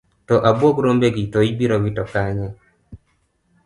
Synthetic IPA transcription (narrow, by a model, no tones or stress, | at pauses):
tɔʔabwokɾombeɡitoibiɾowitɔkaɲɛ